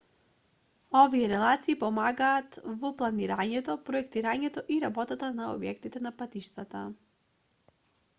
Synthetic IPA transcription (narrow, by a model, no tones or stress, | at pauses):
ɔvijɛɾɛlˠat̪siːpɔmaɡaːt̪vɔplˠaniɾaɲɛt̪ɔpɾɔɛkt̪iɾaɲɛt̪ɔʔiɾabɔt̪at̪anaɔ̰bjɛ̰kt̪it̪ɛnapat̪iʃt̪at̪a